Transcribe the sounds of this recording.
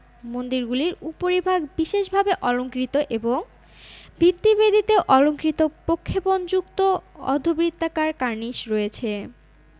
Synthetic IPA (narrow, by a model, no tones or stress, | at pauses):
mond̪iɾɡuliɾupoɾibʱaɡbiʃeʃbʱabeʔɔloŋkɾit̪oʔeboŋ | bʱit̪ːibed̪ʱit̪eoʔɔloŋkɾit̪opɾokʰːepond͡ʑukt̪oɔ̰d̪ʱobɾit̪ːakaɾkaɾniʃɾɔet͡ɕʰe